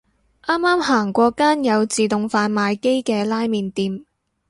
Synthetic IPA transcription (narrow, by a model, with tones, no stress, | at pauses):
ʔaː˥mːaː˥mhaː˨˩ŋkʷɔː˧kaː˥njɐ˨˧wt͡siː˨t̪ʊ˨ŋfaː˧nmaː˨˧jke˥jkɛː˧laː˥jmiː˨˧nt̪iː˨˧m